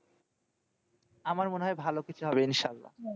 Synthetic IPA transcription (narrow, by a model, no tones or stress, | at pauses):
amaɾmoneɦɔebʱalokit͡ɕʰuɦɔbeinʃaalːa̰